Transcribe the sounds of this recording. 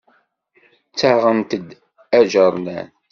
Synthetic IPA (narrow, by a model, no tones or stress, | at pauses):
t͡sːaʁənt̪əd̪ | æʒəɾˤnæn